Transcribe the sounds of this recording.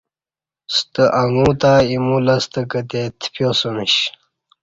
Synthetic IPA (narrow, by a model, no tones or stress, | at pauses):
st̪əʔaŋũt̪aimulɐst̪əkət̪et̪ʰpjosoniɕ